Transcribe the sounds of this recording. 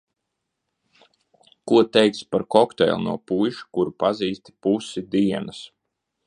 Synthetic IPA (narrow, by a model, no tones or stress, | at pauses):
kuɔt̪ɛjk̪spaɾkɔkt̪ɛ̰jlʲˠnṵɔpujʃu̥kuɾupaziːst̪ʲi̥pusid̪iɛnas